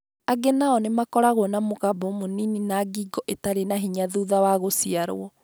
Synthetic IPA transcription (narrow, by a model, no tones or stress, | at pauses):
aɡenaɔnemakɔɾaɣwɔnamoɣabɔmonininaɡiːɡɔʔetaɾenaɦiɲaðuːðawaɣosiaɾ̰ɔ